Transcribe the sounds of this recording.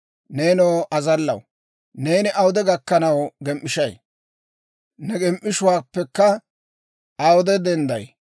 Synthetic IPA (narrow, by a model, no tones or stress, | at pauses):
ne̞ːnoːʔɐzɐlːɐ̰w | ne̞ːnɪʔɐwʊd̪ɛɡɐkːɐnɐwɡɛmʔːɪʃɐj | nɛɡɛmʔːɪʃʊwaːpːɛkːɐ | ɐwɔd̪ɛd̪ɛnd̪ɐj